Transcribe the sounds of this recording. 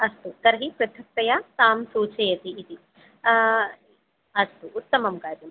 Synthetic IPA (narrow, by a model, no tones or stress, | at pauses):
ɐst̪ut̪ɐɾɐɦipɾɐt̪ʰɐk̚t̪ɐjat̪aːmsuːt͡ʃɐjɐt̪iːt̪i | ɐst̪uʔːt̪ːɐmɐmkaːɾjɐm